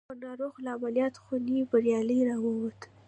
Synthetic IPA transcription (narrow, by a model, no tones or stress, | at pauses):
ənɑɾoɣlaamaljɑt̪xunibaɾjɑləjɾɑwəwat̪